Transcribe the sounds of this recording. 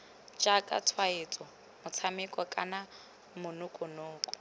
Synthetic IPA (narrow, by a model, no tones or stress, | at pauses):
t͡ʃakʼa̰tʰwaet͡sʼɔ | mʊt͡sʰamɪkʼɔkʼana | mʊnʊkʼʊnʊːkʼʊ̥